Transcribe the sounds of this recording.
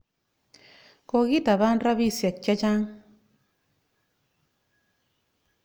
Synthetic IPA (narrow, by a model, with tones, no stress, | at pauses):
ko˨ɣi˦t̪a˨βa˦nɾa˦βi˦sja˨t͡ʃa˦t͡ʃa˦ŋ